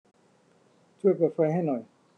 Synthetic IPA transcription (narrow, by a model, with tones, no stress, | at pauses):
t̪ʰu˧˥˩ə˨jpaː˨˩fa˧jɦa˥˩jnɔ˨˩j